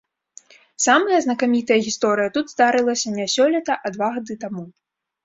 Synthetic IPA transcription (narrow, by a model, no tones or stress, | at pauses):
samɐjɐznɐkamʲit̪ɐjɐɣʲist̪ɔɾɨjɐt̪ud̪zd̪aɾɨlˠɐsʲɐnʲasʲɔlʲɛt̪ɐʔɐd̪vaɣad̪ɨt̪amu